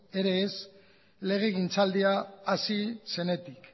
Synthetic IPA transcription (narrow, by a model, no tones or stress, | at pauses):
e̞ɾe̞ːs | le̞ɣ̞eɣint͡sald̪iaːsise̞ne̞t̪ik